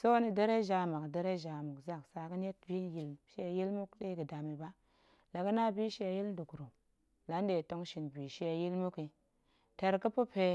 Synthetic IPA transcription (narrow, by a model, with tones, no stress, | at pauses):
so˦ni˨de˦ɾe˦ʒa˨ma˨kde˦ɾe˦ʒa˨mu˨kza˦˨ksa˨ki˦n˦je˦t̚bi˦ji˨lʃe˦˨ji˦lmu˦kɗe˦ɡi˨da˨mi˨ba˦ | la˨ɡə˦na˦bi˦ʃe˦˨ji˦ln˦du˨kɾu˨ | la˨˦nde˨to˦ŋʃi˨nbi˨ʃe˦˨ji˦lmu˦ki˨ | te˨ɾki˦pu˦pe˦